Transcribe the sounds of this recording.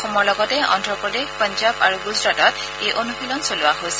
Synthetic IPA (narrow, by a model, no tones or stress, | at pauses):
xɔmɔɹlɔɡɔtɛɔ̰ndɹɔpɹɔdexpɔnzaba̰ɹuɡusɹatɔt̚ | ejʔonuxilɔnsolʊwaɦosɛ̥